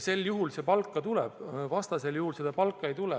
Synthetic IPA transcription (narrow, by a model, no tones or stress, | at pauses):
se̞ljuɦulse̞pɑlkːˑɑt̪ulɛ̰b̥vɑst̪ɑse̞ljuhulse̞d̪̥ɑpɑlkːˑɑejt̪ulɛ